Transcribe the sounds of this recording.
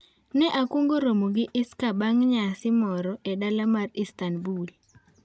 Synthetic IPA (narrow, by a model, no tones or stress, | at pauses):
nɛʔakwoŋɡoɾomoɡɪʔɪskabaŋɲasɪmɔɾɔʔedalamaristanbul